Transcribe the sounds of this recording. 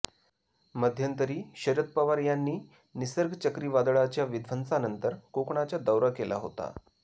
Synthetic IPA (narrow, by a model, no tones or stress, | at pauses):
məd̪ʱjənt̪əɾiːɕəɾət̪̚pəʋaɾjanːiː | nisəɾɡʱt͡ɕəkɾiːʋad̪ɭat͡ɕjaʋid̪ʱʋənsanənt̪əɾkokɳat͡ɕjad̪əwɾakela̰ɦo̰t̪a̰